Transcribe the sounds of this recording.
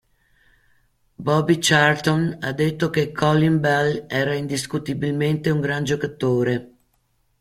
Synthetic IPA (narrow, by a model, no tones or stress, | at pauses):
bɔbit͡ʃart̪onad̪ːet̪ːokekʰːɔlːimbalɛːɾaind̪iskut̪ibilment̪euŋɡɾand͡ʒokat̪oːɾe